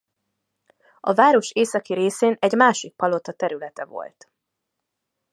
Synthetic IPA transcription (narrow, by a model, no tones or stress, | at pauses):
ɒ̰vaːɾo̞ʃeːsɒkiɾeːseːnɛɟmaːʃik̚pɒlo̞t̪ɒt̪ɛɾylɛt̪ɛvo̞̰lt̪